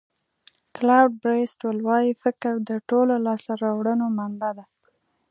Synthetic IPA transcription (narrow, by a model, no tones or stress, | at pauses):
klawɖ̚bɾesʈwəlwɑjifɪkɾd̪əʈololɑsaɾɑwɽənomanbad̪a